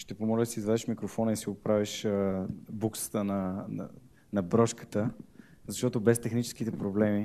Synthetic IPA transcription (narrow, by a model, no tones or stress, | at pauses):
ʃt̪ɛpomɔlʲəd̪ɐsiːzvad̪ɛʃmikɾofɔnəisiopɾaviʃəbuksə̥t̪ənɐn̰ | nɐbɾɔʃkə̥t̪ə | zɐʃt̪ɔt̪obɛst̪ɛxnit͡ʃɛ̥skit̪ɛpɾoblɛmi